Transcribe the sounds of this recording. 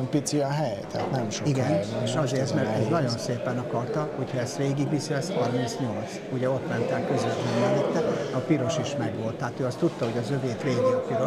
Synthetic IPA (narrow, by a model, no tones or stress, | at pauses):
mpit̪siɒɦɛjt̪ɛ̰a̰t̪nɛmʃoiɡɛneʃɒzeːrt̪mɛrt̪ɛznɒɟo̞nseːpɛnɒkɒrt̪ɒhocʰhɒɛst̪ɾeːɡiɡʋisilɛst̪hɒrmint̪sɲo̞lt̪s | uɟɛo̞t̪mɛnt̪ɛlkø̞zʋɛt̪lɛnːɛnit̪ːɛɒpiɾo̞ʃiʃmɛɡʋo̞lt̪ːɛɦːt̪øːɒst̪ut̪ːɒɦo̞ɟɒzø̞veːt̪ɾeːɡiɒpiɾo̞ʃ